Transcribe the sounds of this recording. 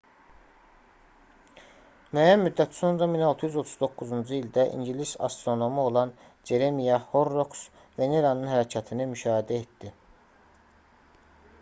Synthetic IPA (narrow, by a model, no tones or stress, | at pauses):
mæjænmyd̪ːæt̪ʰi̥so̞nɾɑminɑlˠt̪ʰujyzo̞t̪ʰuzd̪o̞kːuzund͡ʒuild̪æʔḭɲɟilisɑ̰st̪ɾo̞no̞muo̞lˠɑn | d͡ʒe̞ɾemijɑho̞ɾːoks | ve̞ne̞ɾɑnɯnhæɾæcʰɑt̪ʰinimyʃɑːhid̪æet̪d̪i